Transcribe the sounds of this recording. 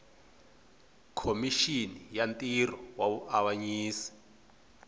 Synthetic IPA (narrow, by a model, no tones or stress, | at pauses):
kʰomiʃinijantʼirɔwaβuʔawaɲiːsi̥